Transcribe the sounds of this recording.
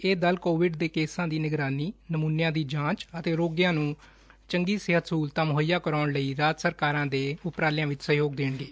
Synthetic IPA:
eːd̪əlkoːʋɪɖd̪eːkeːsãːd̪iːnɪɡɾaːniːnəmuːnjãːd̪iːd͡ʒãːt͡ʃət̪eːɾoːɡjãːnũː | t͡ʃəŋɡiːsɪɦət̪suːlt̪ãːmɦojaːkəɾaːɳləiːɾaːd͡ʒsəɾkaːɾãːd̪eːʊpɾaːlɪjãːʋɪt͡ʃsəɦjoːɡd̪eːɳɡeː

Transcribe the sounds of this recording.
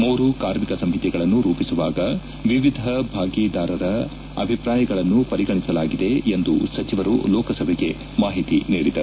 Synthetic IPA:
muːɾukaːɾmikɐsɐmɦit̪ɛɡɐɭɐnːuɾuːpisuʋaːɡɐ | ʋiʋid̪ʱɐbʱaːɡɛːd̪aːɾɐɾɐ | ɐbʱipɾaːjɐɡɐɭɐnːupɐɾiɡɐɳisɐlaːɡid̪e̞ːnd̪ṵsɐt͡ʃiʋɐɾulɔːkɐsɐbʱɛɡe̞ | maːɦit̪inḭːɽid̪ɐɾ

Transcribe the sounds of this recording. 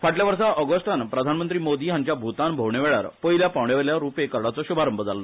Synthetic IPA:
faʈljaʋəɾsaʔəɡəst̪anpɾəd̪ʱanmənt̪ɾiːmod̪iːɦaɲt͡ɕjabʱut̪anbʱowɳeʋeɭa̰ɾpəɦiljapawɳeʋeljaɾupekəɾɽat͡sɔɕubʱaɾəmbəd͡zalːɔ

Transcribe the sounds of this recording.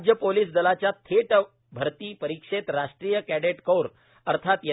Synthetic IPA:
d͡ʑjəpoliːsd̪əlat͡ɕjat̪ʰeʈ | bʱəɾt̪iːpəɾikʂet̪ɾaʂʈɾiːjəkæɽeʈkowɾ | əɾt̪ʰat̪jə

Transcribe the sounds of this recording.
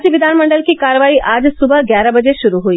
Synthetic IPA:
d͡ʒʋɪd̪ʱaːnmə̃ɳɖəlkikaːɾʋaːiʔaːd͡ʒsʊbəɦɡjaːɾabɐd͡ʒeʃʊɾuɦuiː

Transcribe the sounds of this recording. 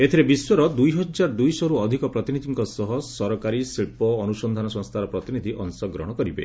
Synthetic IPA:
et̪ʰiɾebiswɔɾɔd̪ujɦɔd͡ʒaɾd̪ujsɔɾuɔd̪ʱikɔpɾɔt̪inid̪ʱiŋkɔsɔɦɔsɔɾɔkaɾisiɭpɔːnusɔnd̪ʱanɔsɔ̃ŋst̪ʰaɾɔpɾɔt̪inid̪ʱiʔɔnsɔɡɾɔ̰ɦɽ̃ɔkɔɾibḛ

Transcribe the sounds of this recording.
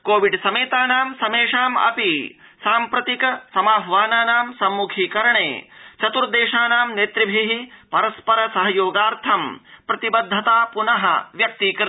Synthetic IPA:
koːʋiɖsɐmeːt̪aːnaːmsɐmeːʂaːmɐ̰pi | saːmpɾɐt̪ikɐsɐmaːbʱɐʋaːnaːnaːmsɐmːukʰiːkɐɾɐɳḛːt͡ʃɐt̪uɾd̪eːʃaːnaːmneːt̪ɾibʱiɦipɐɾɐspɐɾɐsɐɦɐjoːɡaːɾt̪ʰɐmpɾɐt̪ibɐd̪ʱːɐt̪aːpunɐɦɐ̰ʋjɐk̚t̪ikɾ

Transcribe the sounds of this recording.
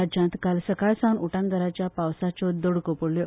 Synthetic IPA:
ad͡ʑãnt̪kalsəkajsawnuʈãŋɡ̪əɾat͡ɕjapawsat͡sɔd̪oɽkopoɽle

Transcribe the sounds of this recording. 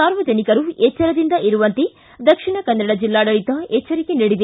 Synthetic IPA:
saːɾʋɐd͡ʒɐnikɐɾuet͡ʃːɐɾɐd̪ind̪ɐʔiɾuʋɐnt̪i | d̪ɐkʂiɳɐkɐnːɐɽɐd͡ʒilːaːɽɐɭit̪ɐet͡ʃːɐɾikeniɽid̪i

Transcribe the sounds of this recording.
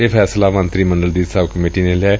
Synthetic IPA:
eːpʰɛːslaːmə̃nt̪ɾiːməɳɖəld̪iːsəbkəmeːʈiːneːlɛː

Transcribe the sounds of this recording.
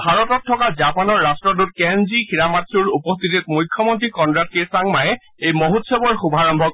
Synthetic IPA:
bʱaɹɔtɔtʰːɔkazapanɔɹːastɹɔdut̚kɛnzixiɹamatsuɹupɔst̪itit̚mujkʰːjɔmɔntɹikɔndɹat̚kesaŋmajɛ | ejmoɦutsɔbɔɹxubʱaɹɔmbʱɔk

